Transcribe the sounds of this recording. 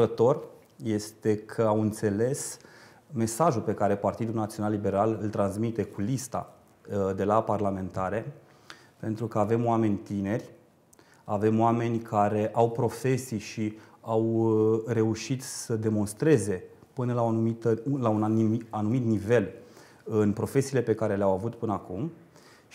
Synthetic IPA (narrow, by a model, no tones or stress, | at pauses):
ɾət̪o̞r | je̞st̪e̞kʰəawɨnt̪se̞le̞s | me̞saʒulpe̞kaɾe̞part̪id̪ulnat̪sionalːibe̞ɾalɨlt̪ɾansmit̪e̞kulist̪a̰ | d̪e̞laparlame̞nt̪aɾe̞ | pe̞nt̪ɾukəave̞moame̞nʲt̪ine̞rʲ | ave̞mowame̞nʲkʰaɾe̞ʔawpɾo̞fe̞sijʃiawɾe̞uʃit̪səd̪e̞mo̞nst̪ɾe̞ze̞ | pɨnəlaonumit̪əlaunaanumit̪nive̞l | ɨnpɾo̞fe̞siːle̞pe̞kaɾe̞leawavut̪pɨnəakum